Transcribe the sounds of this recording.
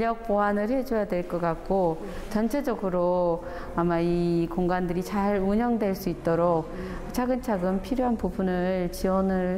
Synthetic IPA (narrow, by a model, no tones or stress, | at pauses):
ʎʌk̚p͈oɦanɯɭhe̞d͡ʑojadwe̞ɭk͈ʌk͈ak̚k͈o | t͡ɕʌnt͡ɕʰed͡ʑʌɡɯɾo | amaikoŋɡandɯɾit͡ɕaɾuɲʌŋdwe̞ɭs͈uit̚t͈ʌɾok̚ | t͡ɕʰaɡɯnt͡ɕʰaɡɯmpʰiɾjoɦanpubunɯɭt͡ɕiwʌnɯɭ